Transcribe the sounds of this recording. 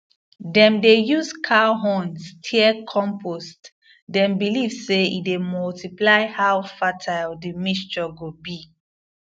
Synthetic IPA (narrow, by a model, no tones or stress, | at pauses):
dɛ̃mdejuzkʰaɦɔ̃nstʰiɛkʰɔ̃mpʰost | dɛ̃mbilivseḭdemɔltiplaɪhawfatʰaɪldimist͡ʃɔɡobi